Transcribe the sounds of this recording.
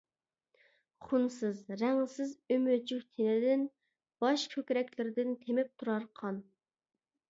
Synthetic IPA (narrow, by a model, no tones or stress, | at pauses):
χunsɨzɾæŋsɪzømød͡ʒyhʲt̪ʰenɪd̪ɪn | b̥ɑʃkʲʰøkʲɾɛkʲlɪɾɪd̪ɪnt̪ʰemɪp̚t̪ʰuɾɑɾqʰɑn